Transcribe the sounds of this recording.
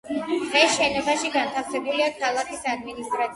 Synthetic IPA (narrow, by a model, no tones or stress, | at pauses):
d̪̥ʁɛsʃɛnɔbaʃiɡant̪ʰafsɛbuliakʰalˠakʰisad̪minist̪ʼɾat̪